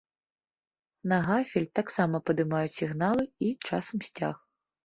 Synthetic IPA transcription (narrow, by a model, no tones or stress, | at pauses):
nɐɣafʲilʲt̪aksamɐpɐd̪ɨmajut͡sʲsʲiɣnalˠɨit͡ʂasɐmsʲt͡sʲa̰x